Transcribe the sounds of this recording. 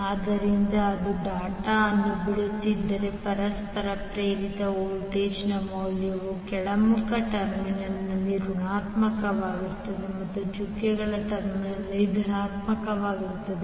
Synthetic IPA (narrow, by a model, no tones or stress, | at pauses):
aːd̪ɐɾind̪ɐːd̪uɖaːʈɐːnːubiɽut̪ːid̪ːɐɾe̞pɐɾɐspɐɾɐpɾeːɾit̪ɐoːɭʈeːt͡ʃnɐmɐːljɐʋukɛɭɐmukʰɐʈɐɾminɐnɐlːiɾunaːt̪mɐkɐʋaːɡiɾt̪ːɐd̪emɐt̪ːut͡ʃukjɛɡɐɭɐʈɐɾminɐlːid̪ʱnaːt̪mɐkɐʋaːɡiɾut̪ːɐd̪e